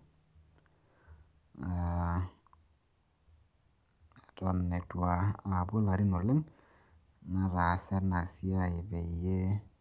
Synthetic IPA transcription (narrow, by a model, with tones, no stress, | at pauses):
a˨ | tɔ˨nːe˨twa˨a˨bo˦la˨ɾi˦no˨lɪ˦ŋ | na˦ɾa˨sɛ˦na˨si˦a˦ɪ˨βɛ˨i˨je˦